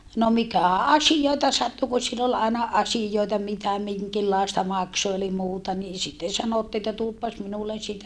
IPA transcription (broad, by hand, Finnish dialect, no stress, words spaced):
no mikæˑ ɑsijoˑitɑ sɑtːu ku silː ol ɑˑinɑ ɑsijoitɑ mitæ miŋkilːɑˑestɑ mɑkso eli muːtɑ niː sitːen sɑnotːiː etːæ tuopːɑs minulːen sitæ